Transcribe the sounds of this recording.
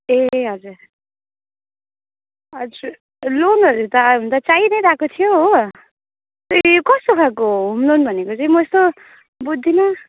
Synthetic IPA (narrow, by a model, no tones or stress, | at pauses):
eɦʌd͡zuɾ | ʌd͡zuɾ | lonʌɾut̪ʌʌnt̪ʌt͡said̪ʌjɾakot̪ʰijoɦo | t̪ʌikʌst̪okʰakoɦumlonbʱʌnekot͡saĩmʌest̪o | bud̪ʱːinʌ